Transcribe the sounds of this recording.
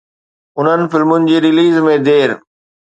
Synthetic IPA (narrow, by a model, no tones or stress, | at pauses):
ʊn̤ənɪ̆fɪlmʊnɪ̆d͡ʑeːɾɪliːzmẽd̪eːɾ